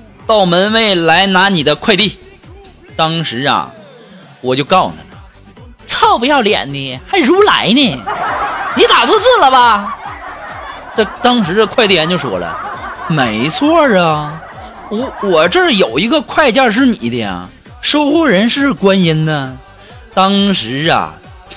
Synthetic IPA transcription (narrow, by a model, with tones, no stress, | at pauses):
t̪ɑ˥˩ʊmə˧˥nwe˥˩ɪla˧˥ɪna˧˥ni˨˩d̪ə˦kʰwa˥˧ɪt̪i˥˩ | t̪ɑ˥ŋʂɻ̩˧˥ɐ̰˧ | wɔ˨˩t͡ɕjo˥˧ʊkɑ˥˩ʊnə˩lə˩ | t͡sʰɑ˥˩ʊpu˧˥jɑ˥˩ʊljɛ̰˨˩nni˧˩xa˧˥ɪɻu˧˥la̰˧˥ɪni˥˧˩ | ni˧˥t̪a˨˩t͡sʰwɔ˥˧t͡sɹ̩˥˩lə˩bɐ˧ | ʈ͡ʂə˥˩t̪ɑ˥ŋʂɻ̩˧˥də˧kʰwa˥˧ɪt̪i˥˩a˧˥nt͡ɕjo˥˩ʊʂwɔ̰˥˩lə̰˧me˧˥ɪt͡sʰwɔ˥˩lə˨˩ | wɔ˧˥wɔ˨˩ʈ͡ʂə˥˩jo˨˩ʊi˧˥ɡə˧kʰwa˥˧ɪt͡ɕjɑ˥˧ʂ̬ɻ̩˥˩nḭ˨˩˦d̪ə̰˧˨˩ | ʂo˥ʊxwɔ˥˩ɻə˧˥nʂɻ̩˥˩kwa˥ni˥nd̪ə˧ | t̪ɑ˥ŋʂɻ̩˧˥ɐ̰˨˩